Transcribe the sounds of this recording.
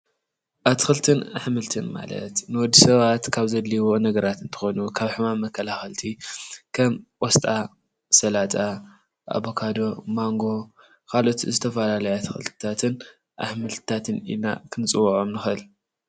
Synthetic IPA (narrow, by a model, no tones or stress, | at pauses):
ʔat̪ʰɨ̥xɨlt̪ʰɨna̰ħmɨlt̪ʰɨnma̰lɐ̰t̪nɨwɔd̪ːisɐβat̪kʰaβzɐd̪liβonɐɡɐɾat̪ɨnt̪ʰɨ̥xonukʰaβħɨmamːɐkʰːɐlaxɐlt̪ʰikʰɐmʔʼɔst̪ʼa | sɐlat̪ʼa | ʔa̰βo̞kʰad̪o̞maŋɡo̞ | kʰalo̞t̪zɨt̪ʰɐfɐlalɐjat̪ʰɨ̥xɨ̰lt̪ʰt̪ʰat̪ʰɨn | ʔa̰ħmɨlt̪ʰɨ̥t̪ʰat̪ʰɨnḭna̰kʰɨnɨt͡sʼɨwuʕomnɨxɨl